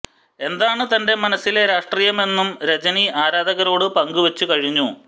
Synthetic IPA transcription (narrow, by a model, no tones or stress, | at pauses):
e̞nd̪aːɳɨt̪ɐnde̞mɐnɐsːileɾaːʂʈriːjɐme̞nːumɾed͡ʑɐniʔaːɾaːd̪ʱɐɣɐɾo̞ːɽɨpɐŋɡuʋɐt͡ɕːukɐɻiɲːu